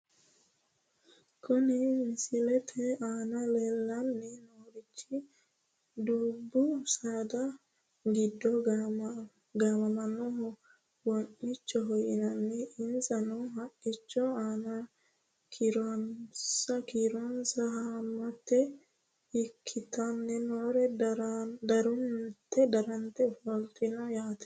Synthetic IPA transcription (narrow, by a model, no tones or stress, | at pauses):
kʰɔnɪnsɪlɛt̪ʰɛaːnɐlɛlːɐnːɛnoːɾɪt͡ʃːɪ | d̪uːbːʊsaːd̪ɐ | ɡɪd̪ːɔ | ɡamɐmɐnɔɦɔ | wɔnʔɪt͡ʃːɔɦɔjɪnɐnːɛɪnsɐnɔɦɐʔɪt͡ʃːɔaːnɐ | kɾɔnsɐkiɾɔnsɐɦamːɐt̪ːɛ | ɪkʰːɪt̪ɐnːɛnoːɾɛ | d̪ɐɾʊnt̪ːɛd̪ɐɾɐnt̪ɛfɔlt̪ʼːɪnɐjaːt̪ɛ̥